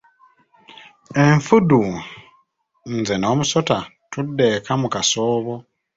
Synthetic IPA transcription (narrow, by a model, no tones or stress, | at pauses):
e̞ɱfudu | nzeno̞ːmuso̞ta | tudːe̞kamukasoːβo̞